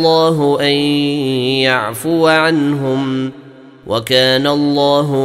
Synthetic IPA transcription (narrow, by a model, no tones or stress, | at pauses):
ɑːɦʊʔan | jaʕfʊaʕanɦʊm | wʔakaːnaɑlˤːɑːɦʊ